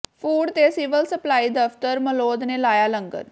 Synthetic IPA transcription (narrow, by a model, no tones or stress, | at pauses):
pʰuːɖt̪esiːʋəlsəplaːiːd̪əft̪əɾməloːd̪neːlaːjaːlə̃ŋɡə̰t̪